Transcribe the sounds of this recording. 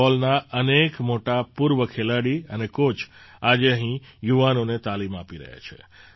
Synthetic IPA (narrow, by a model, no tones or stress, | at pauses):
ɔlnaʔənekmoʈapuɾʋəkʰelaɽiənekot͡ʃʰad͡ʒeəɦĩjuʋanonet̪alima̰piɾə̰ɦja̰t͡ʃʰḛ